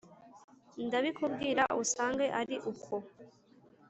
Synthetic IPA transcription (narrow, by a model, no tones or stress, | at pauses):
ndaβikub̚ɡiːɾaʔusaːŋɡe̞ʔaɾiʔukʰo